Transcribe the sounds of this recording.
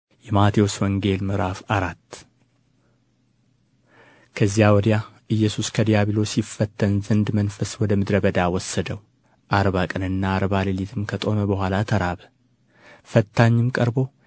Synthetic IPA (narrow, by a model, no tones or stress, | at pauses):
jɛmat̪ʰijoswɔŋɡe̞lmɨɾafaɾat̪ː | kʰəzːijawɔd̪ijaʔɨjːɛsuskʰəd̪ijaβilo̞sifːət̪ːənzɨnd̪mənfəswɔd̪əmɨd̪ɾəbəd̪awɔsːəd̪əw | ʔaɾβakʼənɨnːaːɾbalɨlit̪ʰɨmkʰət̪ʼo̞məbəhʷalat̪ʰəɾaβə | fət̪ʰːaɲːɪmkʼəɾbo̞